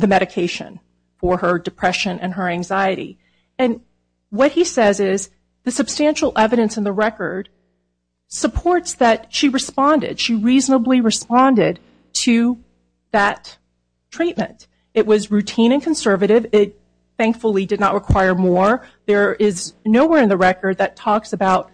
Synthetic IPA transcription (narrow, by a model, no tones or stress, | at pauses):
ðɨmɛɾɨkʰeɪʃɨ̰̃n | fə˞ə˞dɨpʰɹ̥ɛʃɨ̃nɨ̰̃nə˞æ̃ŋzaɪɨɾḭ | ɨ̃n | wʌt̚hisɛzɪz | ðɨsɨb̥stæ̃nʃl̩ˠʔɛvɨɾɨ̃nsɨ̃n̩ðəɹɛkə˞d̥ | səpʰɔɹtsðɨt̚ʃiɹɨspɑ̃ndɪ̰d̥ʃiɹiznəbliɹɨspɑ̃ndɪd̚ | tʰɨ | ðɨt | tʰɹ̥it̚mɨ̰̃nt | ɨʔ̚wʌzɹʉtʰĩñɨ̃nkʰn̩sɜ˞vɨɾɪvɪt̪̚ | θæ̃ŋkfl̩ˠidɨdⁿnə̰ʔ̚ɹʔɨkʰw̥aɪə˞mɔɹðə˞ɪznoʊwɛɹɨ̃nðɨɹɛkə˞d̪̚ðɨtʰɔksɨbaʊt̚